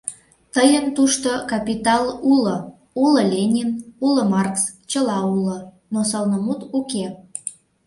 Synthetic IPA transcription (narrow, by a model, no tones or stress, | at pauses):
t̪əjənt̪uʃt̪okɑpit̪ɑlulə̆ | uləlʲenʲinuləmɑrks | t͡ɕəlɑulə̆ | nosɑlnəmut̪uke